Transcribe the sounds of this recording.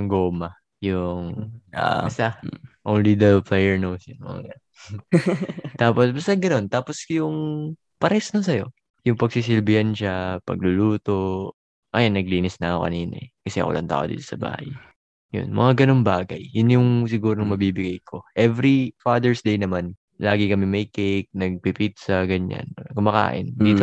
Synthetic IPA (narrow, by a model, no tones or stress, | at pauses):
ʊŋɡoːmɐ | jʊŋa̰bɐst̪aʔownlid̪ɐlplɛjɛɹnowsjʊno̰ɡɐn | t̪aːposbɐst̪ɐɡɐno̞nt̪aːposjʊŋ | pɐɾɛsnos̬ɐjo̞̰ | jʊŋpɐɡ̚sis̬ɪlbɪɐnʃapɐ̰ɡ̚lʊluːt̪o̞ | ʔɐjanːɐɡ̚liːnɪsnɐɐko̰kɐ̰niːnɐ̰ɛkɐsɛʔɐ̰kɐ̰lʔɐ̰nt̪a̰ːʔod̪ḭːt̪osɐba̰ːhaj | jʊ̰nmɐ̰ŋaɡɐno̞ŋbaːɡɐ̰jːʊnjʊŋs̬ɪɡuːɾoŋmɐbiːbɪɡajkʰo̞ʔɛvɾifad̪ɛɹsd̪ejnɐman | laːɡɪkɐmɛmɐjkejk̚nɐɡ̚pipit̪̚sɐɡɐɲa̰nkʊmɐka̰ːʔɪ̰nd̪iːt̪o